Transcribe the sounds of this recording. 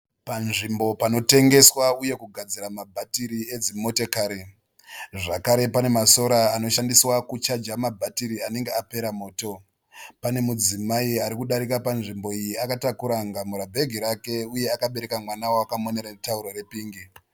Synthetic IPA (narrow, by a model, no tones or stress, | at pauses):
panʐimbo̞pano̞te̞ŋɡe̞swauje̞kuɡʱad͡ziɾamabʱatiɾie̞d͡zimo̞tekaːɾi | ʐakaɾe̞pane̞maso̞ɾaːno̞ʃandiswakut͡ʃad͡ʒamabʱatiɾiane̞ŋɡeape̞ɾamo̞ːto̞ | pane̞mud͡zimaiaɾikuɗaɾikapanʐimbo̞ijiakatakuɾaŋɡamuɾabʱe̞ɡʱiɾake̞uje̞akaɓe̞ɾe̞kamwanawoakamone̞ɾartauɾoɾe̞piːŋɡi